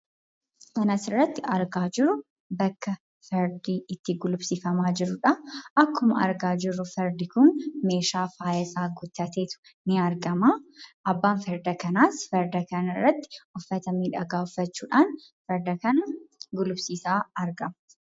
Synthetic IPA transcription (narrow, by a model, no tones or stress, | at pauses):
kɐnɐsɪrːɐt̪ːɪɐɾɡaːd͡ʒɪɾʊ | bɐkːɐ | fɛɾd̪iːɪt̪ːɪɡʊlʊbsiːfɐmaːd͡ʒɪɾʊᶑɐʔɐkːʊmɐɐ̰ɾɡaːd͡ʒɪɾːʊfɛɾd̪ɪkʊnme̞ːʃaːfaːjɐsaːɡʊd̪ːɐt̪eːt̪ʊ̥ | nɪɐɾɡɐmaːʔɐbːaːnfɛɾd̪ɐkɐnaːsfɛɾd̪ɐkɐnɐrːɐt̪ːɪ̥ʔɔfːɐt̪ɐmiːᶑɐɡaːɔfːɐt͡ʃːuːᶑaːn | fɛɾd̪ɐkɐnɐɡʊlʊbsiːsaːɐɾɡɐm